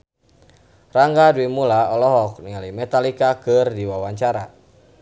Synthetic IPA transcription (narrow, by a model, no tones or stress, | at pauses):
raŋɡaduimulaɔlɔɦɔk̚niŋalimɛt̪alikakɨrdiwawaɲt͡ʃaɾa